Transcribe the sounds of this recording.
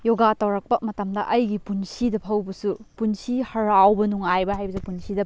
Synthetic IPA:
joɡatɐwɾɐk̚pɐmɐtɐmdɐʔɐjɡipunsidɐpʰɐwbɐsupunsihɐɾawbɐnuŋajbɐɦajbɐs̬upunsidɐ

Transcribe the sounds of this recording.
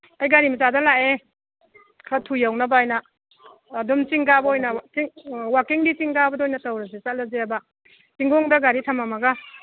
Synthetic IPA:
ajɡaɾimɐt͡ʃadalaʔe | kʰɾatʰujawnabajnaː | dumt͡ʃiŋɡabɐojnat͡ʃiŋwakiŋdit͡ʃiŋɡabɐdojnatawɾazet͡ʃat̚lazeaba | siŋɡɔŋdaɡaɾitʰamamaɡa

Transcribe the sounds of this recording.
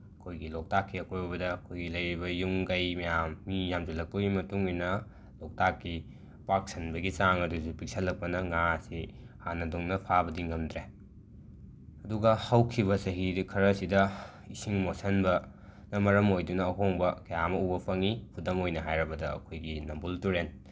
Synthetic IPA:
ɐkʰojɡilok̚takʰːiɐkʰojɐbɐdɐːkʰojɡilɐjɾibɐjuŋɡɐjmɐjamːijamzɐlɐk̚pɐɡimɐtuŋinɐ | lok̚takːi | pak̚sɐnbɐɡit͡ʃaŋɐdusupik̚sɐlːɐk̚pɐnɐŋasi | hanɐduŋnɐpʰabɐdiŋɐmdɾe | ɐduɡɐhɐwkʰiβɐsɐɦidkʰɐɾɐsidɐ | isiŋmosɐnbɐ | nɐmɐɾɐmojdunɐːɦoŋbɐkɐjamɐubɐpʰɐŋipʰudɐmojnɐɦajɾɐbɐdɐɐ̰kʰojɡinɐmbultuɾen

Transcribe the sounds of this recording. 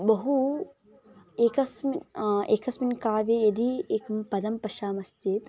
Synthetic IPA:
bɐɦu | eːkɐsmeːkɐsminkaːʋeːjɐd̪ieːkɐmpɐd̪ɐmpɐʃaːmɐst̪eːt̪

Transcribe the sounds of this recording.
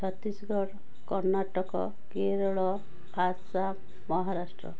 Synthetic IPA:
t͡ʃʰɔt̪ːisɔɡɔɽ | kɔɾnaʈɔkɔ̰ | keɾɔɭɔ | basa | mɔɦaɾasʈɾɔ̰

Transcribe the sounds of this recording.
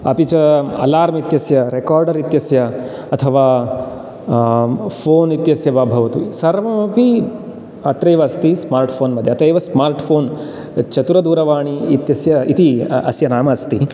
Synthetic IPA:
ɐpit͡ʃɐɐ̰laːɾmit̪jɐsjɐɾekaːɾɖɐɾit̪jɐsjɐ | ɐt̪ʰɐʋaː | pʰoːnit̪jɐsjɐbaːbʱɐʋɐt̪usɐɾmɐmɐpi | ɐt̪ɾɐjʋɐɐst̪ismaːɾʈpʰoːnmɐd̪ʱjɐt̪ɐjʋɐsmaːɾʈpʰoːn | t͡ʃɐt̪uɾɐd̪uːɾɐʋaːɳiːt̪jɐsjɐit̪iɐsjɐnaːmɐst̪i

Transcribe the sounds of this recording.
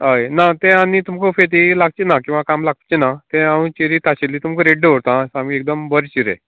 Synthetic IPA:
ɦəjnat̪ẽanit̪umkʰɔfet̪ilaɡ̚t͡ɕenakĩw̃ʋakamlaɡ̚t͡ɕenat̪ẽaũt͡ɕiɾit̪aɕelːiːt̪umkɔɾeɖeʋəɽt̪ãsamiek̚d̪əmbəɾt͡ɕiɾḛ̃

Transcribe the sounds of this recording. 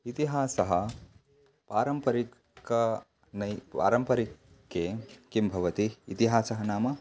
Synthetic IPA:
it̪iɦaːsɐɦɐ | paːɾɐmpɐɾi | kɐ | nɐjpa̰ːɾɐmpɐɾikː | ekimbʱɐʋɐt̪iːt̪iɦaːsɐɦɐnaːmɐ

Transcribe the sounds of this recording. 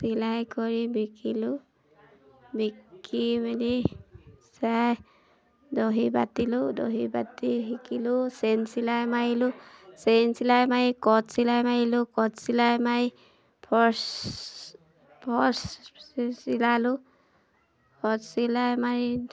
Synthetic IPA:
tilajkɔɹibikilu | bikibani | saj | doɦibatilʊdo̰ɦibatiɦikilʊsensilajmajilʊsensilajmaikɔtsilajmajilʊkɔtsilajmai | pʰɔs | pʰɔs | silalʊ | pʰɔsilajmaɹi

